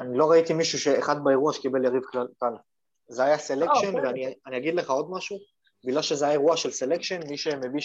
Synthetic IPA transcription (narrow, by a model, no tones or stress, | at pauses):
anilo̞ʁait̪imiʃuʃe̞ːχad̪̚baeʁuaʃekibe̞ljaʁivkakal | zeajase̞lekʃenveanianijaɡid̪le̞χao̞d̪maʃu | biɡlalʃezeajaeʁuaʃe̞lse̞lekʃe̞nmiʃe̞mebi